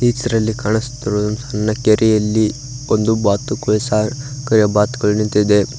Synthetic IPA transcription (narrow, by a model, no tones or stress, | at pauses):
iːt͡ʃɐɾɐlːikaːɳist̪ːiɾuumsɐnɐnːɐkeɾʔɛjɐlːi | ond̪ubaːt̪ukʋɛsakɐɾjɐbaːt̪uɡɐɭunint̪id̪e